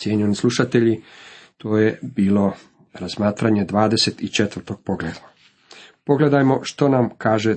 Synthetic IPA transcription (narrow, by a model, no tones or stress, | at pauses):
sjeɲionislˠuʃat̪e̞ʎit̪ʰoːjebiːlo̞ | ɾazmaːt̪ɾaɲe̞d̪ʋaːd̪e̞set̪it͡ʃet̪ʋərɾt̪o̞ɡ̥̚po̞ɡlḛːd̪a | po̞ɡle̞d̪ajmo̞ʃt̪o̞namkaːʒe